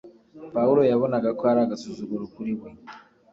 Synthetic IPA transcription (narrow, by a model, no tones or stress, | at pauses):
pauɾojaβonaɡakoaɾaɡasuzoɡoɾokuɾiβwe